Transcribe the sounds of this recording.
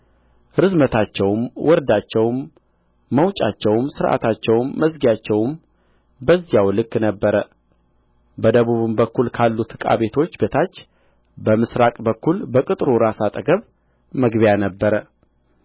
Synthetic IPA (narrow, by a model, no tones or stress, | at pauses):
ɾɨzmət̪ʰat͡ʃːɛwmwʔɔɾd̪at͡ʃːɛwmː | əwt͡ʃʼa̰t͡ʃːɛwmsɨɾʔa̰t̪ʰat͡ʃːɛwmːəsɡjat͡ʃːɛwm | bəzːijawlɨkːnəbːəɾə | bəd̪əβuβɨmbəkːulkʰalːut̪ʰɨkʼa̰βe̞t̪ʰo̞t͡ʃːbet̪ʰat͡ʃː | bəmɨsɾakʼbəkːulbəkʼɨt̪ʼɾuɾasat̪ʼəɡəβ | məɡβjanəbːəɾə